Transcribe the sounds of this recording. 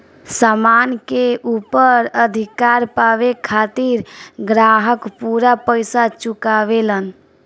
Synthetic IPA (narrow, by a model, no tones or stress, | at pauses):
samankeupəɾəd̪ʱikaɾpabekʰat̪iɾɡɾaɦəkpuɾapəjsat͡ʃukaβelən